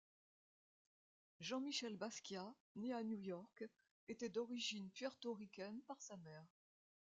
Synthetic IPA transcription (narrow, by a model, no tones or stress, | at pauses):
ʒɑ̃miʃɛlbaskʲja | neanjujɔʁk | et̪ɛd̪ɔʁiʒinpɥɛʁt̪oʁikʲɛnpaʁsamɛːʁ